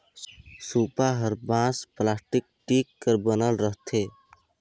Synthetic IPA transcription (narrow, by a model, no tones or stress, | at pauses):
supaɦəɾbãsplasʈik̚ʈikːəɾbənəlɾəɦt̪ʰe